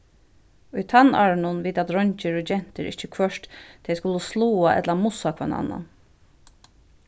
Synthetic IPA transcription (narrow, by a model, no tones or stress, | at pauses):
ʊjt̪ʰanaɹnʊnʋiːt̪at̪ɾɔɲt͡ʃɪɹʊd͡ʒɛn̥t̪ɪɾʔɪht͡ʃɪkʰvœʂt̪t̪ʰɛjskʊləsluːaʔɛ̰t̪lamʊsakʰʋɛna̰nːa̰